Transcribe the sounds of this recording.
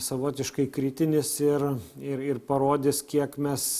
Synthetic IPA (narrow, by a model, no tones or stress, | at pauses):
sɐʋoːt̪ʲɪʃkɐɪkɾʲɪt̪ʲɪnʲɪsɪrɪɾɪrpɐɾoːd̪ʲɪskʲiɛkmʲɛs